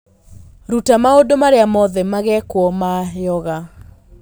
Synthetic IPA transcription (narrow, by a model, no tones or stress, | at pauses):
ɾutamaodomaɾeamɔðɛmaɣɛkwɔmajɔɣa